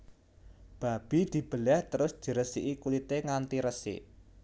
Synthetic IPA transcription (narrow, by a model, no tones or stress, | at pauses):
b̥a̤b̥i̤d̪̥i̤b̥ə̤lɛht̪əɾʊsd̥d̪̥ə̤ɾəsiʔikulit̪eŋant̪iɾəsɪ̰